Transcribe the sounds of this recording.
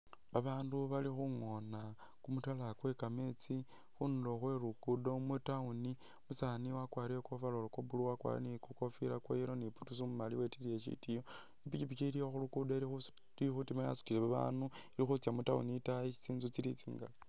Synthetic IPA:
βaβaːnduβalixuŋo̞na | kumutalakwe̞kame̞t͡si | xunulo̞xwe̞ɾukudo̞mutauni | musaniwakwaːɾijokovalolokobuluwakwa̰ɾḭnikuko̞filakwaiɾoniputusumumaliwetilieʃḭtijo | ipit͡ʃipit͡ʃiɾioxulukudoilix | iixutimaja̰su̥tileβaβa̰ːnuilixut͡sjamutaṵnitaii̥t͡siːnzut͡silit͡sḭːŋɡa̰

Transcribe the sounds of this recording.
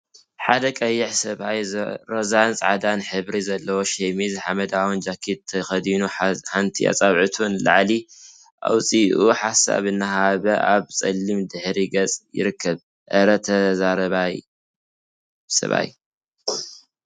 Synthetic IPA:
ħad̪ɐkʼɐjːɪħsɐβajɾozant͡sʼʕad̪anħɨβɾizɐlːɐwoʃemizɨħamɐd̪awɔnd͡ʒakʰːit̪ʰɐxɐd̪inuħant̪ʰḭa̰t͡sʼaβʕɨt̪ʰunla̰ʕli | ʔa̰wt͡sʼiʔuħasa̰βɨnːaɦaβɐʔaβt͡sʼɐlːimd̪ɨħɾiɡɐt͡sʼjɪ̰ɾɨkʰːɐβ | ʔɐɾɐt̪ʰɐzaɾɐβaj | sɐ̰βa̰j

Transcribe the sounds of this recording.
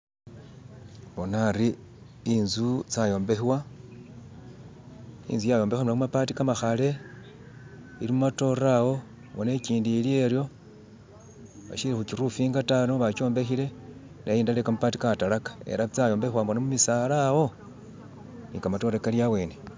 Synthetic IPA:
βo̞naɾi | inzut͡sajo̞ːmbe̞xwa | ḭːnzujajo̞ːmbe̞xamunakumapatikamaxale̞ | iɾimumato̞ɾawo̞ | βone̞ciːndilie̞ɾjo̞ | βa̰ʃiɾexuciɾufiːŋɡatanoβat͡ʃo̞ːmbe̞xile̞ | naiːndale̞kamupati̥katalakḁḛɾat͡sajo̞ːmbe̞xwambonamumisalawo̞ | nikamato̞ɾekaljawe̞ːne̞

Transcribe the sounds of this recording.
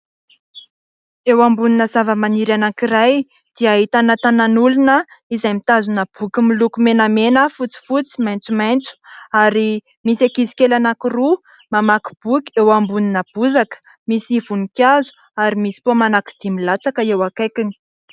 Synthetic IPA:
ewambuninəzavəmaniɾanakiraj | d̪̥iaɦit̪anat̪ananulunəizajmit̪azunəb̥ukimilukumenamenəfut͡si̥fut͡si̥majnt͡sumajnt͡su̥aɾi | misakizi̥kelanakiru | mamaki̥b̥uki̥ewambuninəb̥uzakə̥ | misiv̥unikʲazu̥ | aɾimisi̥pomanaki̥d̪̥imilat͡sakəewakejkini̥

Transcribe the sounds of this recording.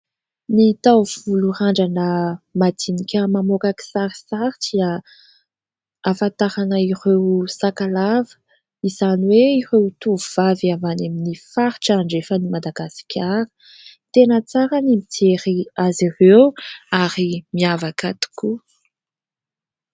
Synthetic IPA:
nit̪awv̥uluɾaɳɖ͡ʐanəmad̪inikʲəmamokaki̥saɾi̥saɾidia | afant̪aɾanəiɾewsakalavə̥ | izaniweiɾewt̪uuvavavanaminifaɾiʈ͡ʂaɳɖ͡ʐefənimad̪aɡasi̥kʰʲaɾə̥ | t̪enət͡saɾənimit̪ʰeɾiazirewaɾimiavakat̪i̥ku

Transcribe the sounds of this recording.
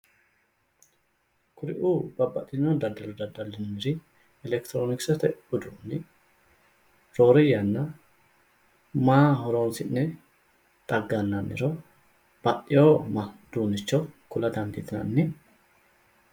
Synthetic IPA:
kʰʊɾɪ̰ʔuːbɐbːɐt̪ʼːɪnːond̪ɐd̪ɐlʊd̪ɐd̪ɐlːɪnnɪɾɪ | ɛlɛkt̪ɾoːnɪksɛt̪ɛʊd̪unːɪ | ɾoːɾɪjɐnːɐ | maːɦɔɾoːnsɪʔːɛ | t̪ʼɐɡːɐnːɐnːɪɾo | b̥ɐʔɪjoːmɐd̪̥uːnːɪt͡ʃːokʊlɐd̪ɐnd̪ɪt̪ɪnɐ̰nːɪ

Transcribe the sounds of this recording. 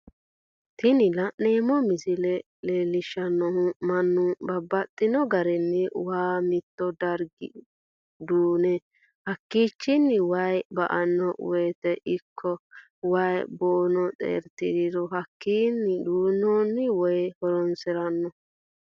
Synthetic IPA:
t̪ɪnɪlɐʔneːmɔmɪsɪlɛ | leːlːɪʃːɐnːɔhʊmɐnːʊbɐbːɐt̪ʼːɪnɔɡɐɾɛnːɛwaːmɪt̪ːɔd̪ɐɾɡɪ̰ | d̪uːnɛ | hɐkːiːt͡ʃːɪnːɪwɐjbɐ̰ʔɐnːɔwɔjt̪ɛʔɪkʰːɔ | wɐjboːnɔt͡sʼḛːɾt̪ɪd̪ɪd̪ɔɦɐkːiːnːɪd̪uːnːonːɪwɔjhɔɾɔnsɪɾɐnːɔ

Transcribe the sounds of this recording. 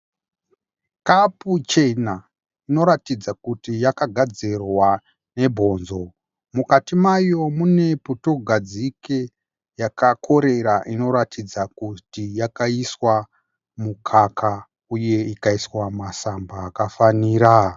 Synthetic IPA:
kaput͡ʃe̞na | ino̞ɾatid͡zakutijakaɡʱad͡zerwa | ne̞bʱo̞ːnzo̞ | mukatimajo̞mune̞puto̞ɡʱad͡zike | jakakʰo̞ɾe̞ɾaʔino̞ɾatʰid͡zakutijakaiswa | mukʰakʰa | uje̞ikaiswamasambaːkafaniːɾa

